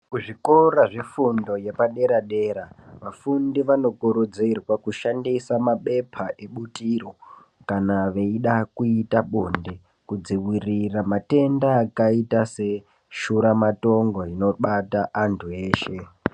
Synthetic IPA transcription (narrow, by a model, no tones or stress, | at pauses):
kuʐikoɾaʐifundo̞je̞paɗe̞ɾaɗe̞ːɾaʋafundiʋano̞kuɾud͡zirwakuʃandisamaɓe̞pʰaʔe̞ɓutiro̞ | kanaʋe̞iɗakuitaɓonde | kud͡ziwiriramate̞ndaːkaitase̞ | ʃuɾamato̞ŋɡo̞ino̞ɓataʔantʰue̞ːʃe̞